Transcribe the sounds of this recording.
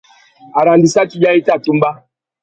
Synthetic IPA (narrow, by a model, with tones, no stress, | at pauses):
a˨ɾa˨ndi˨sa˦ti˦d͡ʒa˦i˦ta˦˨tu˦m̩˦ba˦